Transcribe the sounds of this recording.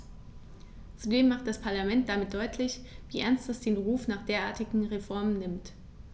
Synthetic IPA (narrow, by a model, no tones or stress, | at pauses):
t͡sudeːmːaχt̚d̥aspʰaɐlamɛnt̚d̥amɪt̚d̥ɔʏtʰlɪçviːʔɛɐnstd̥asd̥eːnʁuːfnaːχd̥eːɐʔaːɐtɪɡŋ̩ʁefɔɐmənːɪmt